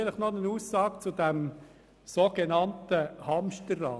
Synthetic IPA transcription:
ləχnɔnənuːsːɑːk̚t͡sʊdæm | soɡ̥enɑntəhɑmʃtərːɑː

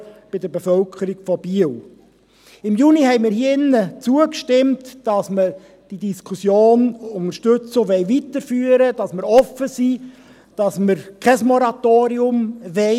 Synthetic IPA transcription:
b̥ɪdəɾbefœlkʰəɾiɡ̥fɔb̥iəl | ɪmjuniɦɛɪmɪːɾhiɪnːət͡suəkʃtɪmtd̥ɑsmə | d̥idiskʰusjoːnʊnəɾʃtʏt͡soʋɛɪvitəɾfyːəɾəd̥ɑsməɾɔfːəsi | d̥ɑsməɾkʰɛsmɔɾɑt̪oːɾiʊmʋɛ

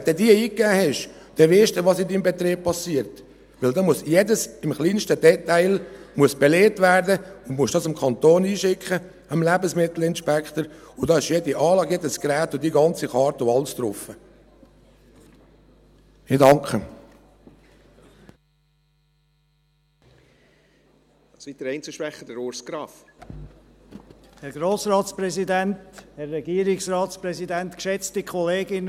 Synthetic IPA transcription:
d̥̪ɛdiːɐiːkːæːhɛʃ | d̪̥ɛʋɪʃd̥uʋɑsɪndiːmbɛt̪ɾeːp̚pɑsiːəɾt | ʋɪld̪ɑːmuəsjeːdəsɪmχliːnʃtədɛt̪aɪlmuəsb̥ɛleːtvæːɾdəʊnmuəʃdɑsɪmkʰɑnt̪oːniːʃɪkχə | əmlæbəsmɪt̪l̩ɪnʃpækχt̪əɾʊd̥ɑːɪʃjeːdiʔɑːlɑːɡjeːdəskɾæːtʊdiːɡɑnt͡siχɑːɾtʊɑlst̪ɾʊfə | ɪdɑŋkχə | ɑsit̚d̥̪əɾɛɪnt͡səʃʋɛχːədɛɾoːɾskɾɑːf | hɛɾɡɾoːsɾɑːsprɛzidɛnthɛrːɛɡiːəɾɪksrɑːtspɾɛzidɛntkʃɛt͡stikʰχɔleːɡɪn

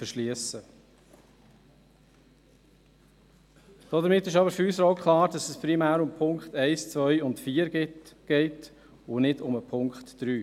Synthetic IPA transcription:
fəɾʃliəsə | d̥ɔdəɾmɪtːɪʃɑbəɾfyːsəɾoʊkʰlɑːɾd̥ɑsɛspɾimæːɾʊmpʰʊŋkχtɛɪst͡svœʏʊntfiːəɾɡɪɡ̥ɛɪt | ʊnɪdʊməpʰʊŋkχtd̥ɾyː

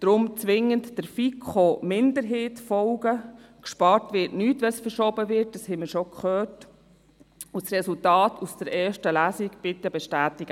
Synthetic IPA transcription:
d̥ɾʊmt͡sʋɪŋəntd̥əɾfikʰχomɪndəɾɦeːtfɔlɡəkʃpɑːɾtʋɪtnyːtʋɛsfəɾʃɔbəʋɪɾt̚d̥ɑshɛməɾʃokχœːt | ʊsɾɛsultɑːtʰusd̥əɾʔɛːɾʃtəlæːsiɡb̥ɪtːɛbɛʃtæːtɪɡ̥ə

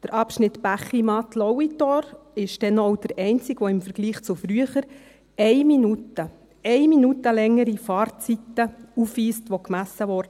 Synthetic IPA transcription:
d̥əɾʔɑpʃnɪt̪b̥æχimɑt̪lɔwitɔɾ | ɪʃd̥ɛnɔwd̥əɾɛɪnt͡sɪɡʋɔɪmfəɾɡ̥liːχt͡sufɾyəχəɾ | ɛɪminutːə | ɛɪminutəlɛŋːəɾifɑːɾt͡sit̪ːəufʋiːstʋɔkmæsːəʋɔɾd

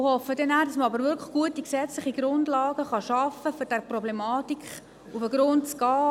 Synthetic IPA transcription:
hɔfːədɛnæːdɑsməɑbəɾʋʏlkʰlə̥χɡ̥uətiksɛt͡slɪχiɡ̥ɾʊndlɑːɡəχɑʃɑfəfɔd̥ɛɾprɔblɛmɑːtikχ | ufəɡɾʊntt͡sɡɑː

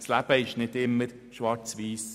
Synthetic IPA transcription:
slæb̥əɪʃnɪdɪmːəɾ | ʃʋɑɾt͡sʋiːs

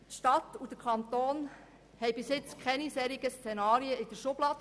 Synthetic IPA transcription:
tʃtɑt̪ud̥əkʰɑnt̪oːn | hɛɪjbɪsɪt͡skʰɛnisɛːɾiɡəst͡sɛnɑːɾiəɪd̥əɾʃʊb̥lɑːd̥ə

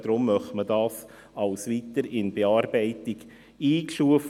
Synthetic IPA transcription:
d̪̥ɾʊmːœχtmədɑːs | ɑlsʋitəɾɪnbeɑːɾbɛɪtɪɡ | iːkʃuəf

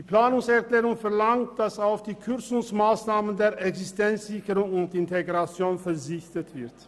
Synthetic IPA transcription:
d̥iːpl̥aːnʊŋsɛɐkl̥ɛːʁʊŋfɛɐlaŋt̚d̥asaʊfd̥iːkʰʏɐt͡sʊŋsmaːsnaːməndeːɐʔɛksɪstɛnt͡sz̥ɪçəʁʊŋʊntɪnteɡʁat͡sjoːnfɛɐzɪçtətv̥ɪɐt

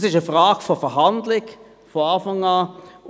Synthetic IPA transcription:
sɪʃəfʁɑːɡ̥fɔfɛɐɦɑndlɪɡ | foɑːfɑŋɑː

